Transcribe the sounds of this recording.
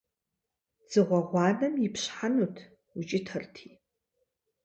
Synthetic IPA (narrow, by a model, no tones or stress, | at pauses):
z̥ɨʁʷɔʁʷɑːnɐmjɪpɕħanutʰ | ʊt͡ʃʼɪtʰɐrtʰiː